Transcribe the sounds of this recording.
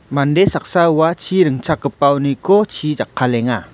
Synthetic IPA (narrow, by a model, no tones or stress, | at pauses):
mandesak̚sauat͡ʃʰiɾəŋt͡ʃakːəpawnikɔt͡ʃʰid͡ʒakʰːalɛŋa